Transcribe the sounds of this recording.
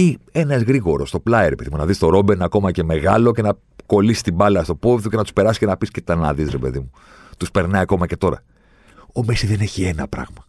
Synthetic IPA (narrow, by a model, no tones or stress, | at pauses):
ie̞nɐzɣɾiɣo̞ɾo̞st̪o̞plɐeɾe̞pe̞ðimunɐðist̪o̞ɾo̞benɐko̞mɐce̞me̞ɣɐlo̞ce̞nɐ | ko̞lisi̥st̪ibɐlɐst̪o̞povðuce̞nɐt̪u̥spe̞ɾɐsi̥ce̞nɐpiscet̪ɐnɐ̰ðisɾe̞pe̞ðimu | t̪uspe̞ɾnɐiɐko̞mɐce̞t̪o̞ɾɐ̰ | o̞mesiðe̞ne̞çie̞nɐ̰pɾɐ̰ɣmɐ